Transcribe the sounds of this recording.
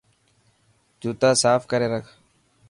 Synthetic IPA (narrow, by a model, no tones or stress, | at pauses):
d͡ʒuːt̪aːsaːfkəɾeːɾəkʰ